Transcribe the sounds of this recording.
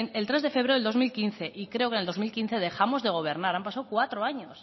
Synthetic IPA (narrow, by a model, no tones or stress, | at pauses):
ne̞lt̪ɾezðe̞feβɾeld̪o̞zmilkinθe̞ʔikɾe̞oke̞neld̪o̞zmilkin̟θe̞ð̞e̞xamo̞zðe̞ɣ̞o̞β̞e̞ɾnaɾampasawkwat̪ɾoaɲo̞s